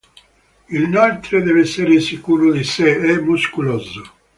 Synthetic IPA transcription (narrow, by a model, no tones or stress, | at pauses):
ilnalt̪ɾed̪ɛːvɛsːeɾesikuːɾʊd̪iseɛmːuskulɔzo